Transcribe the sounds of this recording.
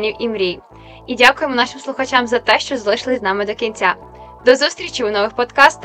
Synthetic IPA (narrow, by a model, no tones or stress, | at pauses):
nʲiwʔimɾʲij | idʲakʊjemɔnɑʃɪmslˠʊxɐt͡ʃamzɐt̪ɛʃt͡ʃɔzɐlˠɪʃlˠɪzʲnɑmɪd̪ɔkʲinʲt͡sʲa | d̪ɔzust̪ʲɾʲit͡ʃʲiwnɔʋɪxpɔd̪kɑst̪